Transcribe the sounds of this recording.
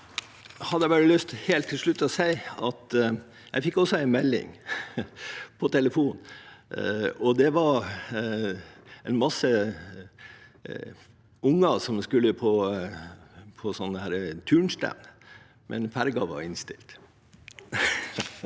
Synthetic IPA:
hɑd̪əɛbɑɾəlʏst̪heːlt̪ʰːɪlʂɭʉt̪ːɔsæɪɑt̪ | jæ̰ɪfɪkːɔsɔæɪnmɛlːɪ̰ŋ | pʰɔt̪ʰɛləfuːn | ɔd̪ɛʋɑɾ | ɛɪnmɑsə | ʊŋːɑsɔmskʉlːəpʰɔ | pʰɔsɔnːəhæːɾət̪ʰʉːɳst̪æ̰mn | mʔɛ̰nfæɾɡɑʋɑ̰ɾɪnst̪ɪ̰lt̪

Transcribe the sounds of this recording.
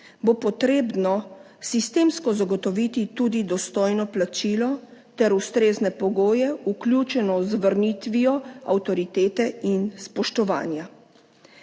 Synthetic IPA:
bopɔt̪ɾeːbnɔ | sist̪eːmskɔzaɡɔt̪ɔʋit̪it̪uːd̪id̪ɔst̪ɔːjnɔplat͡ʃiːlɔt̪ɛɾust̪ɾeːznɛpɔɡoːjɛuklʲjuːt͡ʃɛnɔzʋəɾnit̪ʋijɔa̰wt̪ɔɾit̪eːt̪ɛinspɔʃt̪ɔʋa̰ːnja

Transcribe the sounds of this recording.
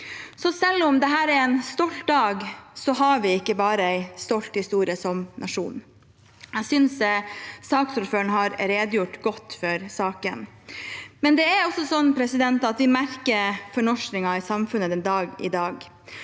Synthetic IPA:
sɔsɛlːɔmd̪ɛɦæːɾɛɾɛɪnst̪ɔlt̪̚d̪ɑːɡsɔɦɑɾʋɪɪkːəbɑːɾəæɪst̪ɔlt̪hɪst̪uːɾɪəsɔmnʔɑʂṵːn | æsʏnssɑːksɔlføːɳɦɑɾɾeːd̪əjʊʈɡɔt̪ːfɔɾsɑːkə̰n | mɛnd̪ɛɛɾɔsːɔsɔnːpʰɾɛsɪd̪ɛnt̪ɑt̪ʋɪmæɾkəɾfɔɳɔʂnɪŋɑɪsɑmfʉnːəd̪ɛnd̪ɑːɡɪ̰d̪ɑːɡ

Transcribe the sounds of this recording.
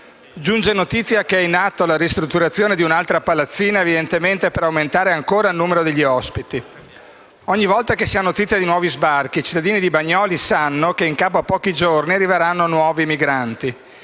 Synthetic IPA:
d͡ʒund͡ʒenot̪it̪sːjakeɛinːat̪ːolaɾist̪ɾut̪ːuɾat̪sːjoːned̪iunalt̪ɾapalat̪sːiːnaevid̪ent̪ement̪epeɾawment̪aːɾeaŋkoːɾailnuːmeɾod̪eʎːiɔspit̪i | ɔɲːivɔlt̪akesianot̪it̪sːjad̪inwɔːvizbarkiːt͡ʃi̥t̪ːad̪iːnid̪ibaɲːɔːlisanːokeiŋkaːpoapːɔːkid͡ʒorniarːiveɾanːoanwɔːvimiɡɾant̪i

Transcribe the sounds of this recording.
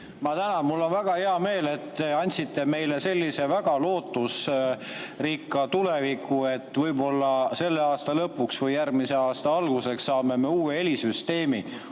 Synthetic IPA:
mɑt̪ænɑnmulːo̞nvæɡ̥ɑhe̞ɑme̞ːle̞t̪ːeɑnʲt̪ʲsit̪ːe̞me̞jle̞se̞lʲːise̞væɡ̥ɑlo̞ːt̪ːus | rikːɑt̪ule̞vikːue̞t̪ːˑvɤjbo̞lːɑse̞lːeɑːst̪ɑlɤpːˑuksvɤjːærmise̞ɑːst̪ɑɑlɡ̥use̞ksːɑːme̞me̞uːee̞lisyst̪e̞ːmi

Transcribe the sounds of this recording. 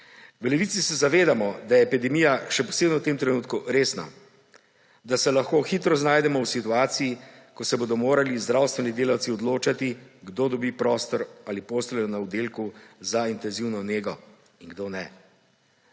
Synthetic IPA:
ʋəlɛʋit̪sisɛzaʋeːd̪amɔd̪ajɛpid̪ɛmiːjaʃɛpɔ̥seːbnɔwt̪emt̪ɾɛnuːt̪kuɾeːsna̰ | d̪asɛlaxkoːxiːt̪ɾɔznaːjd̪ɛmɔwsit̪uaːt̪sijikɔsɛbod̪ɔmoːɾalizd̪ɾaːwst̪ʋɛnid̪eːlawt̪siɔd̪loːt͡ʃat̪iɡd̪od̪ɔbipɾɔːst̪ɔɾalipoːslɛjɔnaud̪elkuzaint̪ɛnziwnɔneːɡɔ | iŋɡd̪onɛ

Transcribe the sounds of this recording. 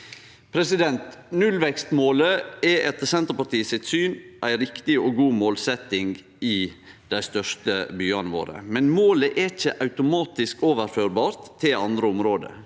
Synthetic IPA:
pʰɾɛsɪd̪ɛnt̪nʉlʋɛkst̪moːləɛʔɛt̪əsɛnt̪əɾpɑʈiːəsɪt̪syːnʔæɪɾɪkt̪ɪoɡuːmoːlsɛt̪ɪŋɡ | ɪd̪̥æɪst̪œʂtəbyːɑnəʋo̰ːɾə̰mɛnmoːləʔɛɪçəʔɑʉt̪ʊmɑːt̪ɪskoːʋəɾføːɾbɑːɾt̪ʰːɪlɑnd̪ɾəʊmɾoːd̪ə̰

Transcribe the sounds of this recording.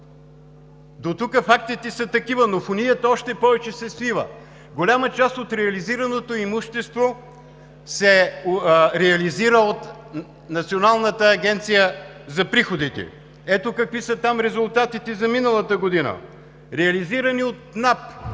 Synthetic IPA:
d̪ot̪ukəfakt̪it̪ɛsɐt̪ɐkivənofʊnʲijət̪əɔʃt̪ɛpɔvɛt͡ʃɛsɛslivə̰ | ɡolʲamət͡ʃast̪ot̪ɾɛɐliziɾɐnot̪oimuʃt̪ɛst̪vo | sɛ | ɾɛɐliziɾəot̪ | nɐt̪sionalˠnət̪əːɡʲɛnt̪sijə | zɐpɾixod̪it̪ɛ̰ | ɛt̪okɐkvisət̪amɾɛzʊlˠt̪at̪it̪ɛzɐminəlˠɐt̪əɡod̪inə̰ | ɾɛɐliziɾɐniot̪nap

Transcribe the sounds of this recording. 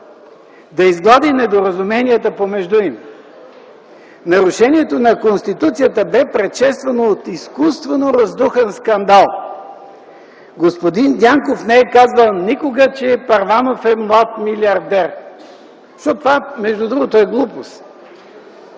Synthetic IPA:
d̪ɐizɡlˠad̪inɛd̪oɾɐzumɛnijət̪əpomɛʒd̪uim | nɐɾʊʃɛniɛt̪onɐkonst̪it̪ut̪sijət̪əbɛpɾɛt̪ʃɛtst̪vɐnoːt̪iskust̪vɛnoɾɐzd̪uxɛnskɐnd̪alˠ | ɡospod̪ind̪ʲaŋkofnɛɛkazvəlˠnikoɡət͡ʃɛpɐɾvanofɛmlˠat̪miliɐɾd̪ɛɾ | ʃt̪ɔt̪ovamɛʒd̪ud̪ɾuɡot̪oɛɡlˠupost̪

